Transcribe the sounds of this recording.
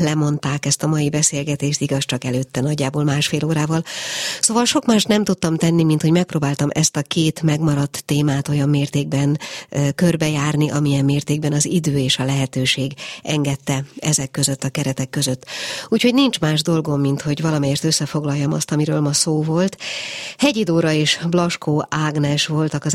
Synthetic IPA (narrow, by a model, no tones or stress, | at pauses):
lɛmo̞n̪t̪aːkɛst̪ɒmɒjibɛseːlɡɛt̪eːʃt̪iɡɒst͡ʃɒkɛløːt̪ːɛnɒɟːaːboːlmaːʃfeːloːɾaːvɒlsoːvɒlʃo̞kmaːʃt̪nɛmt̪ut̪ːɒmt̪ɛnːimint̪ho̞ɟmɛk̚proːbaːlt̪ɒmʔɛst̪ɒkeːt̪mɛɡmɒɾɒt̪ːeːmaːt̪o̞jɒmːeːrt̪eːɡ̚bɛnkørbɛjaːrniʔɒmijɛmːeːrt̪eːɡ̚bɛnɒzid̪øːeːʃɒlɛɦɛt̪øːʃeːɡɛŋɡɛt̪ːɛɛzɛkːøzøt̪ːɒkɛɾɛt̪ɛkːø̞zøt̪ːuːcho̞ɟnint͡ʃmaːʒd̪o̞lɡo̞mːint̪ho̞ɟvɒlɒmɛjeːrt̪øsːɛfo̞ɡlɒjːɒmɒ̰st̪ɒmiɾøːlmɒsoːvo̞lt̪hɛɟid̪oːɾɒeːʃblɒʃkoːʔaːɡnɛʃʋo̞lt̪ɒkɒz